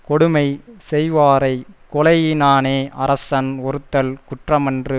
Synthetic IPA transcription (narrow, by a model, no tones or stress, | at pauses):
kɔɽɯmɐɪsɛjʋaːɾɐɪkɔlɐjɪnaːneːʔɐɾɐsɐnɔɾɯt̪ːɐlkʊʈrɐmɐndrɯ